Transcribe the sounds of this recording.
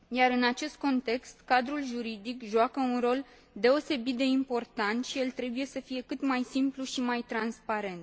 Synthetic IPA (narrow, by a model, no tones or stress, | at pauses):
jaɾɨnat͡ʃe̞st̪̚ko̞nt̪e̞kst̪kad̪ɾulʒuɾid̪ikʒuakəunro̞l | d̪e̞o̞se̞bit̪̚d̪e̞impo̞rt̪ant̪ʃielt̪ɾe̞buje̞səfije̞kɨt̪majsimpluʃimajt̪ɾanspaɾe̞nt̪